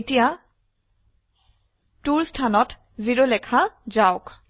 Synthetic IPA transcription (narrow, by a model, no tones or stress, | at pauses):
tija | tuɹstʰanɔt | ziɹolɛkʰazaʊk